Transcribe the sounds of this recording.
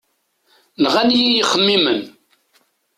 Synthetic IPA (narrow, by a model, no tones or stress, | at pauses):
nəʁænijijəχːəmːimən